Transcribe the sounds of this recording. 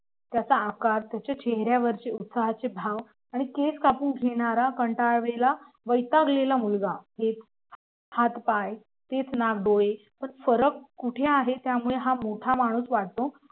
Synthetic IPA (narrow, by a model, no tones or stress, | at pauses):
t̪jat͡saːkaɾt̪jat͡ɕjat͡ɕeɦɾjaʋəɾt͡ɕeut̪saɦat͡sebʱaʋ | aɽ̃ikeskapuːnɡʱeɽ̃aɾakəɳʈaɭʋela | ʋəjt̪aɡlelamulɡaɦet͡s | hat̪paj | t̪et͡snaɡɖoje | pəɳfəɾəkːuʈʰeaɦet̪jamuɭeɦamoʈʰamaɽ̃uːsʋaʈ̚t̪o